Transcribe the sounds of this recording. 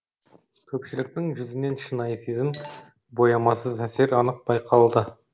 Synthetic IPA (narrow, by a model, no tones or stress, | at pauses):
kʲʰɵpʃɪlɪk̚t̪ɪŋʒʏzɪne̞nʃinɑjsizɪm | bo̞jɑmɑsəzæse̞ɾɑnəq̚b̥ɑjqʰɑlˠd̪ə